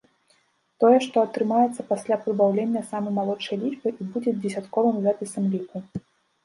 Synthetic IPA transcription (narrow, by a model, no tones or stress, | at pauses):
t̪ɔjɛʂt̪ɔɐt̪ɾɨmajɛt̪sːɐpasʲlʲapɾɨbawlʲenʲːɐsamɨjmalˠɔt͡ʂɐjlʲit͡ʂpɨʔibud͡zʲɛd͡zʲɛsʲat̪kɔvɨmzapʲisɐmlʲiku